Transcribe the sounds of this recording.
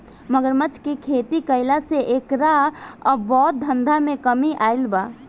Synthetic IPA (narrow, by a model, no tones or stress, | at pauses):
məɡəɾmət͡ʃkekʰeːt̪ikəɪlaseʔeːkɾaɔbʋɔːt̪̚d̪ʱə̃nd̪ʱamẽkəmiʔaːɪlbaː